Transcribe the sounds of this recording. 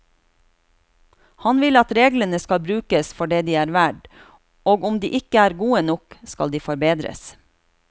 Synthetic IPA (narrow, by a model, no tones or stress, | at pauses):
hɑnʋɪlɑt̪ɾeːɡlənəskɑlbɾʉːkəsfɔɖeːd̪iːæːɾʋæɖ | oːɡʊmd̪ḭːʔɪkəæːɾɡuːənɔkskɑ̰ld̪iːfɔɾbeːd̪ɾə̰s